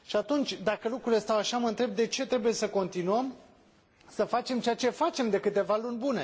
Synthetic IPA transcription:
ʃiat̪unt͡ʃʲd̪akəlukɾule̞st̪awaʃaməɨnt̪ɾe̞b̚d̪e̞t͡ʃe̞t̪ɾe̞buje̞səko̞nt̪inuəm | səfat͡ʃe̞mt͡ʃejat͡ʃe̞fat͡ʃe̞md̪e̞kɨt̪e̞valunʲbune̞

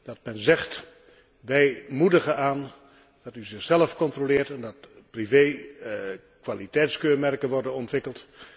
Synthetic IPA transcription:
d̥ɑt̚mɛnzɛχt | ʋɛjmudəχəaːn | dɑtyzɪχz̥ɛləfkɔntrolɪːɹtɛndɑt | privej | kʋaːlitɛjtskøːɹmɛrkənʋɔɹdənɔntʋɪkəlˠt

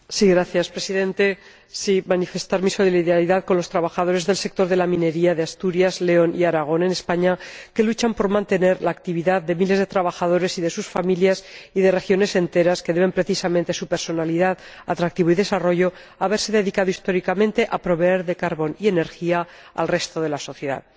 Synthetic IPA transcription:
siɣɾaθjaspɾe̞siðe̞nt̪e̞ | simanife̞st̪aɾmiso̞liliðaɾiðaðko̞nlo̞st̪ɾaβaxaðo̞ɾe̞zðe̞lse̞k̚t̪o̞ɾðe̞lamĩne̞ɾiað̞east̪uɾjazle̞o̞niaɾaɣ̞o̞ne̞ne̞spaɲake̞lut͡ʃampo̞ɾmãnt̪e̞ne̞ɾlaːk̚t̪iβ̞iðaððe̞mile̞zð̞e̞t̪ɾaβaxað̞o̞ɾe̞siðe̞susfamiljasiðe̞re̞xjo̞ne̞se̞nt̪e̞ɾaske̞ðe̞β̞e̞mpɾe̞θisamẽ̞nt̪esupe̞ɾso̞naliðaðat̪ɾak̚t̪iβoiðe̞saro̞ʝo̞ | aβe̞ɾse̞ðe̞ðikaðo̞ist̪o̞ɾikamẽnt̪e̞ʔapɾo̞βe̞eɾðe̞kaɾβo̞nie̞ne̞ɾxia | a̰lre̞st̪o̞ð̞e̞laso̞θje̞ða̰ð

